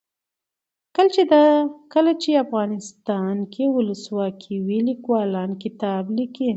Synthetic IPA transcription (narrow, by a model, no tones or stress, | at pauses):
kəlt͡ʃed̪ɑkəlat͡ʃeafɣɑnɪst̪ɑnkʰewʊləswɑkʰiwilikwɑlɑnkɪt̪ɑbliki